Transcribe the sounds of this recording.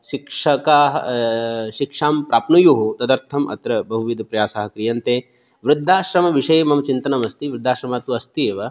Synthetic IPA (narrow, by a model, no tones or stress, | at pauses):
ʃikʂɐkaːɦɐ | ʃikʂaːmpɾʔaːpnujuɦut̪ɐd̪ɐɾt̪ʰɐmʔɐ̰t̪ɾɐbɐɦuʋid̪ɐpɾɐjaːsaːɦɐkɾijɐnt̪eː | ʋɾɪd̪ʱːaːʃɾɐmɐʋiʂɐjemɐmɐt͡ʃint̪ɐnɐmɐst̪iʋɾɪd̪ʱːaːʃɾɐmaːt̪uɐst̪ieːʋɐ